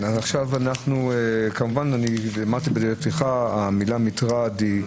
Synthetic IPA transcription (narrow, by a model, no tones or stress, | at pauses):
nazaχʃavanaχnuekamuvananiamaʁt̪ibedeʁet̪iχaamilamitʁadi